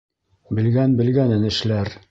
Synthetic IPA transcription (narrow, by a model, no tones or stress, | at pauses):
bɘ̆lɡænbɘ̆lɡænɘ̆nɘ̆ʃlæɾ